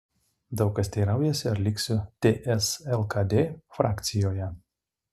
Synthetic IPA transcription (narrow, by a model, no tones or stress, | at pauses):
d̪ɐʊkɐsʲt̪ʲɛɪɾɐˑʊjɛsʲɪɐɾlʲɪksʲʊt̪ʲeːʔɛsɛlˠkɐd̪ʲeːfɾɑːkt̪sʲɪjoːjɛ